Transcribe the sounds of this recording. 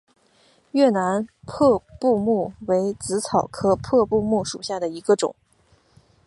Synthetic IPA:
ɥɛ˥˩na˧˥npʰɤ˥˧pu˥˧mu˥˩we˧˥ɪt͡sɹ̩˧˥t͡sʰɑ˨˩ʊkʰɤ˥˧pʰɤ˥˧pu˥˧mu˥˩ʂu˨˩ɕja˥˩d̪ə˩i˧˥ɡə˧ʈ͡ʂʊ̰˨˩˦ŋ

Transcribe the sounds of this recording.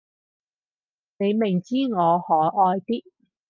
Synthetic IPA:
ne˨˧jmɪ˨˩ŋt͡siː˥ŋɔː˨˧hɔː˨˥ʔɔː˧jt̪iː˥

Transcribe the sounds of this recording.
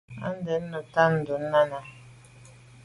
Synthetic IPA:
a̰˦n˦dɛ˨˦n̩ː˦ə˨ta˦n̩˨du˨˦n̩ː˦a˦na˨

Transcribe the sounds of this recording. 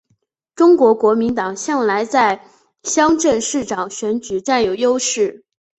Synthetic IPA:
ʈ͡ʂʊ˥ŋkwɔ˧˥kwɔ˧˥mi˧˥nt̪ɑ˨˩ŋɕjɑ˥˩ŋla˧˥ɪt͡sa˥˩ɪ | ɕjɑ˥ŋʈ͡ʂə˥˧nʂɻ̩˥˩ʈ͡ʂɑ˨˩ŋɕɥɛ˧˥nt͡ɕy˨˩ʈ͡ʂa˥˩njo˨˩ʊjo˥ʊʂɻ̩˥˩

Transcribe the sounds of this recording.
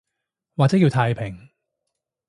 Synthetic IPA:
waː˨t͡sɛː˨˥jiː˧wt̪ʰaː˧jpʰɪ˨˩ŋ

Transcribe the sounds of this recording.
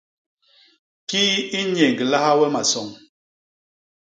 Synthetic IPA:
kiː˦i˦ɲe˨ŋɡla˦ha˦wɛ˦ma˨sɔ˨ŋ

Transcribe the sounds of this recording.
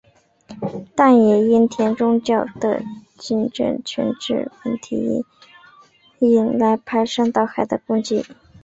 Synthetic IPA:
t̪a˥˩njɛ˨˩i˥nt̪ʰjɛ˧˥nʈ͡ʂʊ˥ŋt͡ɕjɑ˥˩ʊd̪̥ə̰˨˩ | t͡ɕi˧˥nʈ͡ʂə̰˥˩nt͡ɕʰɛ̰˧˥nʈ͡ʂɻ̩̰˥˩wə˧˥˩nt̪ʰḭ˧˥˩ | i˥˩nla˧˥ɪpʰa˧˥ɪʂɑ˥˧ŋt̪ɑ˥˩ʊxa˨˩ɪd̪ə˦kʊ˥˧ŋt͡ɕi˥˩

